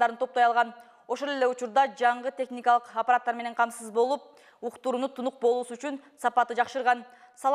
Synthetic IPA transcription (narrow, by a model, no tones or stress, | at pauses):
d̪ɑɾɯnt̪ʰo̞p̚t̪ojɑlˠʁɑn | o̞ʃo̞lˠe̞le̞ut͡ʃuɾd̪ɑd͡ʒɑɴʁɯt̪ʲʰe̞xnʲikɑlˠɯqɐpaɾat̪ːɑɾme̞ne̞ɴqʰɑmsɯzbo̞lˠup̚ | uqt̪uɾunut̪ʰunuq̚bo̞lˠuːsuyt͡ʃynsɑpɑt̪ɯd͡ʒɑqʃɯɾʁɑn | sɑlˠ